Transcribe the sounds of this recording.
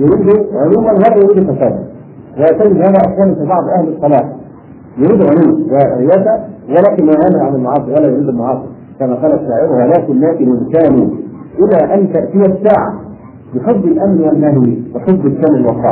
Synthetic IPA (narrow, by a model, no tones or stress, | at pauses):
jʊɾiːd̪ʊʕojuːmænwælːæjʊɾiːd̪fæsæːd̪æ̰ | wɪjaʕt̪æɡɪd̪hæːðæʔaħkæːmfiːbɑʕd̪ˤʔahlɨsˤːɑlɑːħ | jʊɾiːd̪ɣaluːmwɪɾɪjæːsæwɪlæːkɪnmajʕaːmɪlʕanɪlmʊʕɑːsˤɨɾwælːæjʊɾiːd̪ɪlmʊʕɑːsˤɨɾ | kæmæːqɑːlæt̪ʃaːʕɪɾʊhælæːkɪnːæːk̪ɪmʊðkaːnuʔɪlæːʔænt̪æʔt̪ɪjæsaːʕa̰ | bɪħob̪ˤɪlʔæmnwalːæhwibɪħob̪̚ˤd̪ːˤɪkæːmɪlwɑqˤːɑ̰